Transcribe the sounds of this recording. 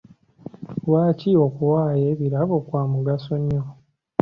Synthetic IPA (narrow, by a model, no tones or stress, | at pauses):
waːcio̞kuwaːje̞ːβiɾaβokwaːmuɡaso̞ɲːo